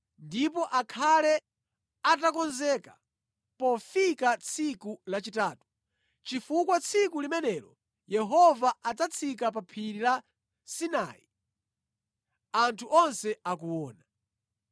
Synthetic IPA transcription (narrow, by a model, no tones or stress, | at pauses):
ndipɔʔakʰalɛ | atakɔnzɛkḁ | pɔfikat͡sʰikulat͡ʃitaːtu̥ | t͡ʃifukwat͡sʰikulimɛnɛlɔ | jɛɦɔvaad͡zat͡sʰikap̬apʰiɾila | sina̰i | antʰuʔɔnsɛakuwɔːna